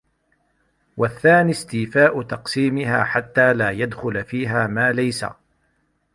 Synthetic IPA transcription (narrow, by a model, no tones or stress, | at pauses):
waθːaːnist̪iːfaːʔʊt̪ɑqsiːmɪɦa̰ːħat̪ːaːlaːjad̪xʊlfiːɦaːmaːlajsa̰